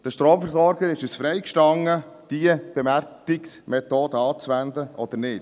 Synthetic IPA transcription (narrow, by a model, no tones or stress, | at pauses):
d̥əʃtɾoːmfəɾsɔɾɡəɾɪʃusfɾɛɪkʃtɑŋːə | d̥iəb̥ɛmæɾkɪksmɛt̪oːdəɑːt͡sʋænd̪əʔɔd̥̪əɾnɪd̥